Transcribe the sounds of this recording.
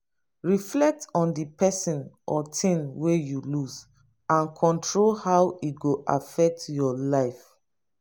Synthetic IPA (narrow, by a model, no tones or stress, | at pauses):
ɹiflɛk̚tɔ̃ndipʰɛsĩnʔɔtʰĩnwejuluz | ãnkʰɔ̃ntʰɹolhawiɡoʔa̰fɛk̚tjɔlaɪf